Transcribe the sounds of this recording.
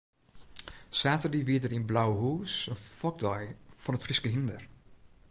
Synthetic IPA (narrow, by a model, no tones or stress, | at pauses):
saːtədiʋiədərinblawəɦuːsənfɔk̚dɔjfɔnətfriskəɦindər